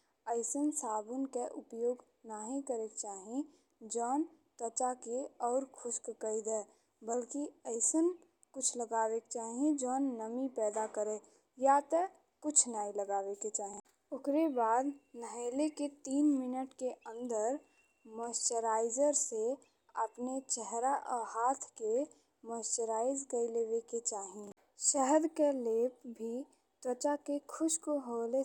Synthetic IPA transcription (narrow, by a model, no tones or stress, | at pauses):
əɪsənsaːbʊnkeʔʊpjoːɡ | naɦĩkəɾekt͡ʃaːɦẽ | d͡ʒɔːn | t̪ət͡ʃakeɔːɾkʰʊskkəid̪ɛː | bəlkiəɪsən | kʊt͡ʃʰləɡaːwekt͡ʃaːɦẽd͡ʒɔːnːəmipɛːd̪akəɾẽː | jat̪ə | kʊt͡ʃʰnaːĩləɡaːʋeket͡ʃaːɦẽ | ʊkɾebaːd̪nəɦeːleket̪iːnmɪnəʈkeə̃nd̪əɾ | məsʈəɾaːɪd͡ʒəɾse | əpnet͡ʃɛɦɾaʔəhaːt̪ʰke | məsʈəɾaːɪzkəileːʋeket͡ʃaːɦi | ʃəɦəd̪keleːpbʱi | t̪ət͡ʃakekʰʊʃkoɦoːle